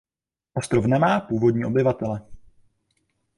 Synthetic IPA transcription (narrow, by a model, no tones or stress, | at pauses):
ʔost̪ɾofnɛmaːpuːvo̞dɲiːʔo̞bɪvat̪ɛlɛ